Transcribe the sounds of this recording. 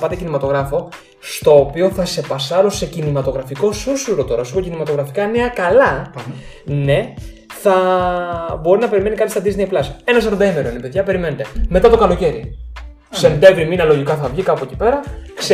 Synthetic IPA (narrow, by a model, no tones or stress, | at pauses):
pɐt̪ecinimɐt̪o̞ɣɾɐfo̞ | st̪o̞ːpio̞θɐse̞pɐsɐɾose̞cinimɐt̪o̞ɣɾɐfiko̞susuɾo̞t̪o̞ɾɐsuɾocinimɐt̪o̞ɣɾɐfikɐneɐkɐlɐ | ne̞ | θɐ | bo̞ɾinɐpe̞ɾime̞nikɐt̪ist̪ɐd̪izne̞jplɐse̞nɐs̬ɐɾond̪ɐimeɾonepe̞ðʝɐpe̞ɾime̞net̪e̞me̞t̪ɐt̪o̞kɐlo̞ce̞ɾi | se̞nd̪e̞vɾiminɐlo̞ʝikɐθɐvʝikɐpoeci̥pe̞ɾɐks